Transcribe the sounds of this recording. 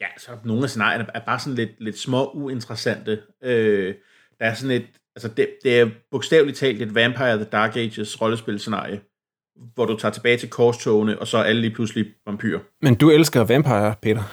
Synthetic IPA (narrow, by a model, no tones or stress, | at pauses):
jæsɒ̽no̝ːn̩æse̝nɑ̰̈jɐnɐæɐb̥ɑ̈ːsɒ̽n̩le̝d̥̚le̝d̥smɒ̽ʔue̝nt͡sʁɐsæn̰d̥ə | ø | d̥ɑ̈æɐsɒ̽ne̝d̥ | ælsəd̥e̝d̥e̝æɐb̥o̝ɡ̥sd̥ɛ̰ːʊli̥t͡sʰɛ̰ːld̥e̝d̥ʋænpʰɑ̈ɪɐðəd̥ɑ̈ːɡ̥e̥ɕəsʁɒ̽ləsb̥e̝lse̝nɑ̰̈ːɪjo | ʋɒɾut͡sʰɑ̈ːt͡sʰe̝b̥ɛːɪt͡sʰe̝lkʰɒːst͡sʰɔʊnəʔɒ̽sɒ̽ʔæləliːpʰlusliʋɑ̈mpʰy̰ːɐ | mend̥uelsɡ̥ɐʋænpʰɑ̈ɪɐpʰe̝̰ːɾɐ